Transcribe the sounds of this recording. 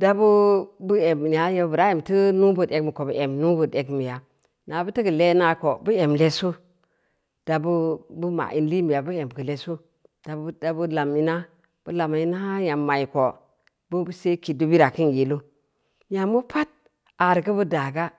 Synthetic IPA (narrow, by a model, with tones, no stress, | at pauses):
da˦bu˦bu˦e˨m˨a˨je˦bɾa˦e˨mtə˦nu˦bu˦˨de˦kmi˨ko˨bu˨˦ʔe˨mnu˦bu˨de˨ɡmi˨ja˨ | na˨bu˦tə˦ɡə˨le˦na˨ko˨bu˦e˨mle˦su˦ | d̥a˨bu˦bu˦ma̰˨ʔi˨nli˦mi˨ja˨bu˦e˨m˨ɡə˨le˨su˦ | d̥a˨˦da˨bu˦la˨mi˦na˦ | b̥u˦la˨ma˨i˦na˦a˦ja˨mːa˨i˨ko˨ | bu˦bu˦se˦ki˨du˦bi˦ɾa˨ki˦nji˨lu˦ | ja˨mu˦pʰa˦t̚ | a˨ɾkə˦bu˦da˨ɡa˦